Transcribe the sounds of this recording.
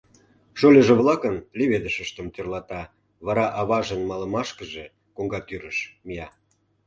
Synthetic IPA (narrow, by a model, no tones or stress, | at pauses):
ʃolʲəʒĕβlɑkənlʲeβed̪əʃəʃt̪əmt̪ørlɑt̪ɑ | βɑɾɑʔɑβɑʒə̆nmɑlə̆mɑʃkə̆ʒe | koŋɡɑt̪yɾəʃmijɑ